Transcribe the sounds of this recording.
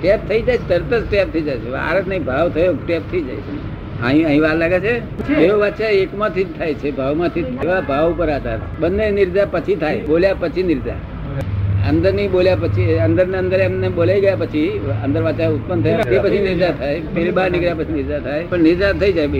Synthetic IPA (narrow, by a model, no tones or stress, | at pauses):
ʈɛp̚t̪ʰəid͡ʒajʰet̪əɾt̪əsʈep̪̚ʰəid͡ʒajt͡ʃʰeʋa̰ɾət̪nəĩbʱaʋt̪ʰəjoʈep̚t̪ʰəid͡ʒa̰jt͡ʃʰen | a̰ɦĩaɦĩʋaːɾlaːɡet͡ʃʰe | d͡ʒeoʋat͡ʃaekmãt̪ʰit̪ʰajt͡ʃʰebʱaʋmãt̪ʰieʋabʱaʋpəɾat̪a̰ɾɓənːenɪɾd͡ʒapət͡ʃʰit̪ʰajɓoljapət͡ʃʰinɪɾd͡ʒa̰ | ə̰nd̪əɾnəɦĩɓoljap̬ət͡ʃʰiənd̪əɾneə̃nd̪əɾɛmneɓolaiɡəjapət͡ʃʰiənd̪əɾʋat͡ʃaʊt̪̚pənt̪ʰəjent̪epət͡ʃʰinɪɾd͡ʒat̪ʰajpeɾibaɾnɪkɾjapət͡ʃʰinɪɾd͡ʒat̪ʰajpəɳnɪɾd͡ʒat̪ʰəid͡ʒaj